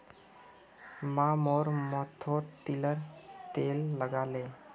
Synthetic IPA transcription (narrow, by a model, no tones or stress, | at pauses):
mamoɾmɔt̪ʰoɾt̪iləɾt̪elːəɡale